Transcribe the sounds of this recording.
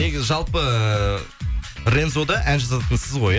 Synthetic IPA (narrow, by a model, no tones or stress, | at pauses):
ne̞ɡʲɪzɪʒɑlˠpə | re̞nzo̞d̪ɑʔænʒɑzɑt̪ənsɪzʁo̞j